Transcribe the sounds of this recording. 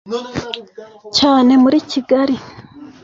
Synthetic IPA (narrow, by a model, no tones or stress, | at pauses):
caːne̞muɾiciɡaɾi